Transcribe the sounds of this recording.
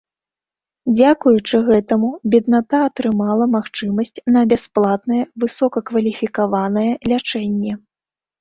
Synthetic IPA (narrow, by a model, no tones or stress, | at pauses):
d͡zʲakujut͡ʂɨɣɛt̪ɐmubʲid̪nat̪aːt̪ɾɨmalˠɐmaxt͡ʂɨmɐsʲt͡sʲnɐbʲasplˠat̪nɐjɛvɨsɔkɐkvɐlʲifʲikavanɐjɛlʲat͡ʂɛnʲːɛ